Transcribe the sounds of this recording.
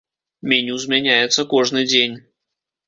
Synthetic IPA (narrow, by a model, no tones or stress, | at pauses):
mʲenʲuzmʲɛnʲæjɪt̪səkɔʐnɨjd͡zʲenʲ